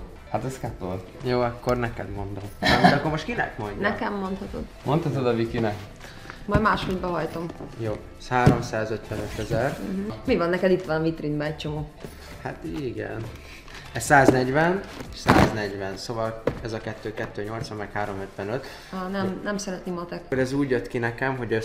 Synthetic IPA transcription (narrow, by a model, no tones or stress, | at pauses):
hat̪ɛskɛt̪oljoːɒkːo̞rnɛkɛd̪mo̞nd̪o̞md̪ɛmoɒkːoɾmoʃt̪̚kinɛ̰kmo̞ɲɟnɛkɛmːo̞nt̪hɒt̪o̞̰d̪mont̪ɒt̪od̪ɒvikinɛk | mɒjmaːʃhod̪bɛɦɒjt̪o̞mjoː | ɛshaːɾo̞msaːzøt̪ʋɛnøt̪ɛzɛr̩ɦ̩mivɒnːɛkɛd̪it̪ʋanvit̪rinbɛɛc̚t͡ʃo̞moː | hat̪iɡɛ̰n | ɛssaːznɛɟvɛneʃsa̰ːznɛɟʋɛnsoːvɒlɛzɒkɛt̪ːøːkɛt̪ːøːɲo̞lt̪sʋɒmːɛkhaːɾo̞møt̪ʋɛnøt̪ː | nɛmnɛmsɛɾɛnt̪nimɒt̪ɛkoɾɛzuːɟjøt̪kinɛkɛmɦo̞ɟø